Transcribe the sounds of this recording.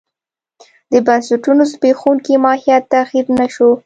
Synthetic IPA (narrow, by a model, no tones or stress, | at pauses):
d̪əbansʊʈunozbexunkimɑhijat̪ːaxiɾnaʃo